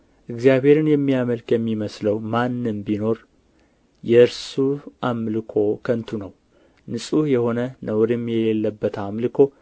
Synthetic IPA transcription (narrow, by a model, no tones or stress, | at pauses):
ʔɨɡzijaβhe̞ɾɨnjɛmːijaməlkjɛmːiməsləwmanːɨmbino̞ɾ | jɛɨɾsuʔamlɨkʰo̞kʰənt̪ʰunəw | nɨsʼujɛho̞nənəwɾɨmːjɛlelːəbːət̪ʰamlɨkʰo̞